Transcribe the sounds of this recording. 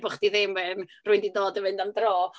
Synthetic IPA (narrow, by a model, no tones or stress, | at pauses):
bʊχd̥iðemwɛnrʊɨndidoːdəvɨndamdroː